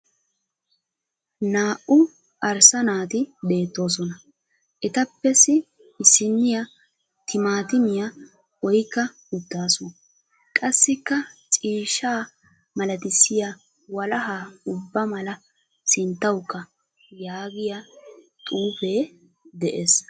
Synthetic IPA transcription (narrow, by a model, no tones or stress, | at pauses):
naːʔʊ | ʔɐɾsɐnaːt̪ɪbe̞ːt̪ːo̞ːs̬ɔnɐ | ʔɛt̪ɐpːɛsɪ | ɪsɪnːɪja | t̪ɪmaːt̪ɪmɪjɐ | ɔjkːɐ | ʊd̪ːaːsɔn | kʼɐsːɪkːɐt͡sʼiːʃaː | mɐlɐt̪ɪsːɪjɐ | wɐlɐɦaːʊbːɐmɐlɐ | sɪnt̪ːɐwkːɐ | jaːɡɪjɐ | t̪ʼuːfeː | d̪ɛʔes